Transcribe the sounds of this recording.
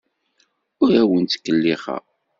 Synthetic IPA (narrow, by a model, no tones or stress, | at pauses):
ʊɾæwənt̪ːkːəlːiχə̰